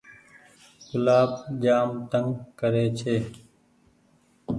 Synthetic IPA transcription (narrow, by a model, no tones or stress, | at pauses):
kʊlaːbd͡ʒaːmt̪əŋɡkəɾeːt͡ʃʰeː